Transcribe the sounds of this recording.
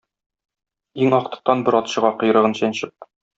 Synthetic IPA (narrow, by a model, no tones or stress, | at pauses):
iŋɒqt̪ɤ̆q̚t̪ɑnbɤ̆ɾɒt̪ɕɤ̆ʁɑqŏɤ̆j̆ɾɤ̆ʁɤnɕænɕɘp̚